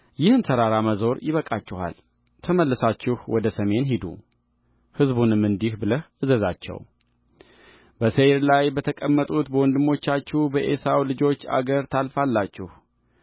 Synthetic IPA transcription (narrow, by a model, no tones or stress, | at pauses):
jɪhɨnt̪ʰəɾaɾaməzo̞ɾjɪβəkʼat͡ʃːɪha̰l | t̪ʰəməlːɨsat͡ʃːɪhwɔd̪əsəme̞nɦid̪ṵ | hɨzbunɨmːɨnd̪ihbɨləhʔɨzəzat͡ʃːɛ̰w | bəseɾlajbət̪ʰəkʼəmːət̪ʼut̪bəwɔnd̪ɨmːo̞t͡ʃːat͡ʃːuhbəʔe̞sawlɨd͡ʒo̞t͡ʃːa̰ɡəɾt̪ʰalfalːat͡ʃːɪh